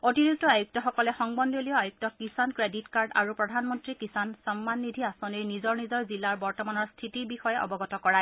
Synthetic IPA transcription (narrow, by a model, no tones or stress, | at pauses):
otiɹuk̚tɔajuk̚tɔxɔkɔlɛxɔŋbɔndolijɔajuk̚tɔkisankɹeditkaɹda̰ɹupɹɔdʱanmɔntɹikisansɔmːanːidʱiasɔnijnizɔɹnizɔɹzilaɹbɔɹtɔmanɔɹstʰitiɹbixɔjɛʔɔ̰bɔɡɔtɔkɔɹaj